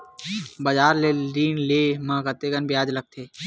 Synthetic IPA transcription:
bəd͡ʒaːɾleliːnleːmãːkət̪eɡənbjaːd͡ʒləɡ̚t̪ʰeː

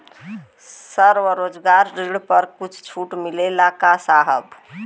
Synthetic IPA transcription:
səɾʋəɾod͡ʒɡaɾːeɽpəɾkut͡ʃʰt͡ʃʰuʈmilelakasaɦəb

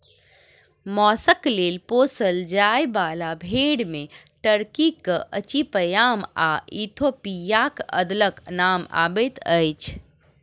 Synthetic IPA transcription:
mɔːsəklelposəld͡ʒajbalabʱeɽme | ʈəɾkikəʔət͡ʃipəjama̰ʔit̪ʰopijakə̰d̪ləknama̰bət̪ʰəjt͡ʃʰ

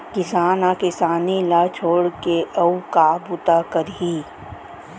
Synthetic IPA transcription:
kɪsaːnakɪsaːnilat͡ʃʰoːɽkeʔɐukabʊt̪akəɾɦiː

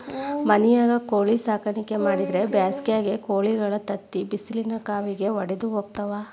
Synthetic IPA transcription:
mɐnɛjaːɡɐkoːɭisaːkɐɳike̞maːɽid̪ɾe̞bjaːskjaːɡekoːɭiɡɐɭɐt̪ɐt̪ːibisilinɐkaːʋiɡe̞ʋɐɽed̪uɦoːɡ̚t̪ɐʋaː

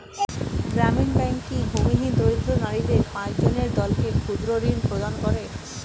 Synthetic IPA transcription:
ɡɾaminbɛŋkibʱumiɦid̪ɾoid̪ɾonaɾid̪eɾpãt͡ɕd͡ʑoneɾd̪ɔlkekʰud̪ɾoɾinpɾod̪ankɔɾe

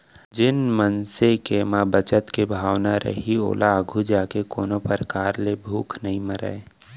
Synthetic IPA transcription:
d͡ʒɪnmənsekemabət͡ʃət̪kebʱaːwnaɾə̰ɦio̰ːlʔaəɡʱud͡ʒaːkekoːnopəɾkaːɾlebʱuːkʰnɐɦĩməɾə̰e

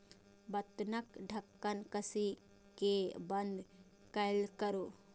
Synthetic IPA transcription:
bɐt̪ːnɐkɖʱɐkːənkəsi | kebɐnd̪ | kɐlkəɾo

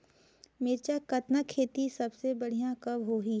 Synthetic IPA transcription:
mɪɾt͡ʃakɐt̪nakʰːeːt̪isɐbsebɐɽ̤ijãkɐbɦoːɦi

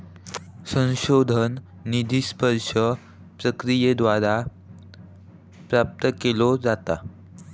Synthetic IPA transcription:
sə̃ñɕod̪ʱənː | id̪ʱispəɾʂə | pɾəkɾijed̪ʋaɾa | pɾap̚t̪əkelod͡zat̪a

